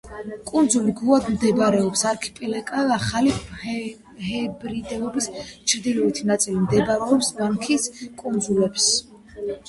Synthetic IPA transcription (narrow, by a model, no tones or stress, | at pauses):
kʼund̪zuliɡuad̪md̪ɛbɾɛɔpsaɾkʰi̥pʼɛlɛkʼaaχali | hɛbɾid̪ɛlɔbist͡ʃʰɾd̪ilɔit̪ʰinat̪sʼilimd̪ɛbaɾɛɔpsmaŋkʰiskʼund̪zulɛps